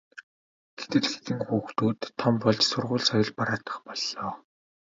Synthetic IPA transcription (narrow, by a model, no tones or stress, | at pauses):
ɡ̥et̪ɘ̆ɮxe̥t̪ɘ̆ŋxuːxt̪uːt̪ʰːɔmpɔɮt͡ɕsʊrʁʊːɮsɔjɞ̆ɮpaɾaːt̪ə̥̆χpɔɮːɔː